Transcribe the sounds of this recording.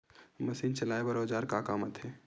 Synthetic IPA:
mɐsiːnt͡ʃɐlaːebɐɾoːd͡ʒaːɾkaːkaːmət̪ʰɛː

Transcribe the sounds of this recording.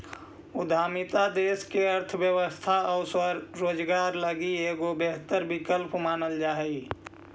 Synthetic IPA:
ʊd̪ʱaːmit̪ad̪eːskeəɾt̪ʰəbjəwəst̪ʰaɔʊsəɾːoːd͡ʒɡaːɾləɡieːɡobeɦt̪əɾbɪkəlpmaːnəld͡ʒaːɦɛ

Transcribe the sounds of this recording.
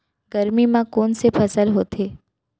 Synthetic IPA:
ɡəɾmimãkoːnsepʰɐsəlɦoːt̪ʰeː

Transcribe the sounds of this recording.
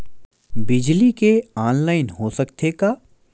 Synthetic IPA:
bɪd͡ʒlikeaːnlaːɪnɦosɐkt̪ʰekaː

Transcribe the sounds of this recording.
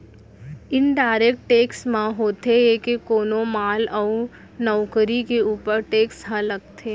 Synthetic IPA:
ɪnɖaːɪɾek̚ʈʈeːksmãɦoːt̪eekekoːnõmaːlɔʊ | nɔːkəɾikeuːpəɾʈeːksɦãləɡ̚t̪ʰeː

